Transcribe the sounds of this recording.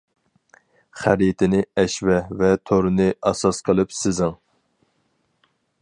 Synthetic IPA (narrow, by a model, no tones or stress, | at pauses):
χæɾjit̪ʰɪnɪɛʃvɛvɛt̪ʰoɾɨnɪʔɑsɑsqʰəlˠɨpsɪzɪŋ